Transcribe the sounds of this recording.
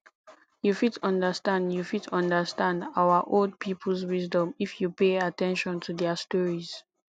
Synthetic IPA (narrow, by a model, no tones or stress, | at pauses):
jufitʌ̃ndəstãndjufitʰɔ̃ndəstãndawəʔold̚pʰipʰl̩swizdɔ̃mifjupeatɛ̃nʃɔ̃ntʰudɛstɔɹiz̥